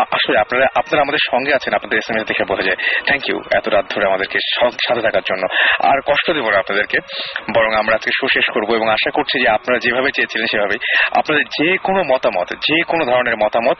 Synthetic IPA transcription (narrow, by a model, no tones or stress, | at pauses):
aʃoleapnaɾaʔapnaɾaamad̪eɾʃɔŋɡeat͡ɕʰenapnad̪eɾesemiʃat̪ʰekʰebot̪ʰad͡ʑaet̪ʰɛŋkjṵɛ̰t̪oɾad̪ʱːoɾeamad̪eɾkeʃɔʃat̪ʰet̪ʰakaɾd͡ʑonːoa̰ɾkɔʃʈod̪ebonaapnad̪eɾkebɔɾoŋamɾaad͡ʑkeʃoʃeʃkoɾboeboŋaʃakoɾt͡ɕʰid͡ʑeapnaɾad͡ʑebʱabet͡ɕejet͡ɕʰilenʃebʱabea̰pnad̪eɾd͡ʑekonomɔt̪amɔ̰t̪d͡ʑekonod̪ʱɔɾoneɾmɔt̪amɔt̪̚